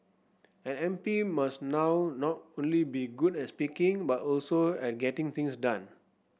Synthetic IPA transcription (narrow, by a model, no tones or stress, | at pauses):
ɛ̃nɛ̃mpimasnawnɔt̚õnlibiɡudɛt̚spikĩŋbatɔlsoɛt̚ɡɛtĩŋt̪ĩŋsdãn